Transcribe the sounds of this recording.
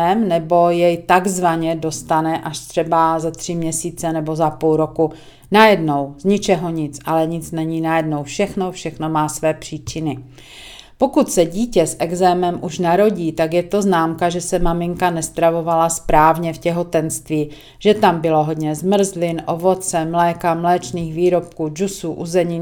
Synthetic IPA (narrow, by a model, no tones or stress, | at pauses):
ɛmnɛbo̞jɛjt̪aɡzvaɲɛdo̞st̪anɛʔaʃt̪r̥ɛbazat̪r̝̥ɪmɲɛsiːt͡sɛnɛbo̞zapulɾo̞ku | najɛdno̞wzɲɪt͡ʃɛɦo̞ɲɪt͡sʔalɛɲɪt͡snɛɲiːnajɛdno̞wfʃɛxno̞fʃɛxno̞maːsvɛːpr̝̥iːt͡ʃɪnɪ | po̞kut̪sɛɟiːcɛsʔɛɡzɛːmɛmʔuʃnaɾo̞ɟiːt̪akjɛt̪o̞znaːmkaʒɛsɛmamɪŋkanɛst̪ɾavo̞valaspɾaːvɲɛfcɛɦo̞t̪ɛnst̪viː | ʒ̥ɛt̪ambɪlo̞ɦo̞dɲɛzmr̩zlɪnʔo̞vo̞t͡sɛmlɛːkamlɛːt͡ʃniːxviːɾo̞p̚kuːd͡ʒusuːʔuzɛɲiː